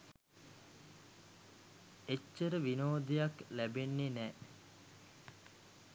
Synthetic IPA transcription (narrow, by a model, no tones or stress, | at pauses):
et͡ʃːəɾəʋinoːd̪ejaklæbenːenɛː